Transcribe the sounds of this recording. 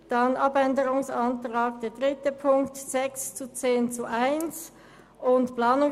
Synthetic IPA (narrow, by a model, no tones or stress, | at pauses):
d̥ɑnʔɑbɛndəɾʊŋsɑntʁaːɡ̚d̥eːɐd̥ʁɪtəpʰʊŋktz̥ɛkst͡sut͡seːnt͡suʔaɪns | ʔʊntplɑːnʊ